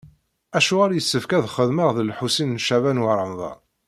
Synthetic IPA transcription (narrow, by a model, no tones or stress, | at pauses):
æʃuʁaɾjəsːəfkæðχəðməʁðəlħusinnʃævænwaɾˤəmðˤɑ̰